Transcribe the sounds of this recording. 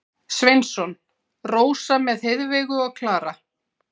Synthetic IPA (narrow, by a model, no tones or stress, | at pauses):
svejnsɔn | roːwsamɛðheðvɛɪɣʏaɣkʰlaːɾa